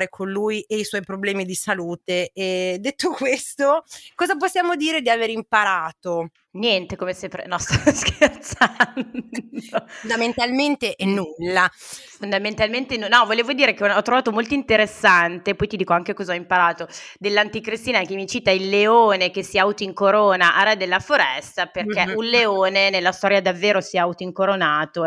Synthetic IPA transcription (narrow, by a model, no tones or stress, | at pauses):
ɾekʰonluːjeiswɔjpɾoblɛːmid̪isaluːt̪eɛd̪ːet̪ːokwest̪okɔːzap̬osːjaːmod̪iːɾed̪iaveːɾimpaɾaːt̪o | njɛnt̪ekomesempɾḛnɔst̪askert̪sanond̪ament̪alment̪eʔɛnːulːafond̪ament̪alment̪enunɔvoleːvod̪iːɾekenɔt̪ːɾovaːt̪omolt̪oint̪eɾesːant̪epɔjt̪id̪iːkoaŋkekɔzaɔimpaɾaːt̪od̪elːant̪ikɾist̪iːnak̟emːit͡ʃiːt̪ailːeoːnek̟esːiaut̪oiŋkoɾoːnaʔarɛd̪elːafoɾɛst̪aperk̟ɛulleoːnenelːast̪ɔːɾjad̪avːeːɾosiɛaut̪oiŋkoɾonaːt̪o